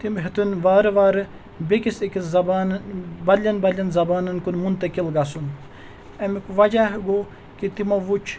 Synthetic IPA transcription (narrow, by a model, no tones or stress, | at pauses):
t̪imɦit̪unʋaːɾʋaːɾ | bekisikizɐbaːnbɐlʲɐnbɐlʲɐnzɐbaːnɐnkunmunt̪ɐkilɡasun | ɐmikʋɐd͡ʒaɦɡo | kit̪imɐʋut͡ʃʰ